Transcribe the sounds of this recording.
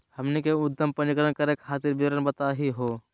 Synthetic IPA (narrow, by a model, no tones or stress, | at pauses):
həmnekeʊd̪ːəmpənɪkɾənkəɾekʰaːt̪ɪɾbiɾənbət̪aɦiɦoː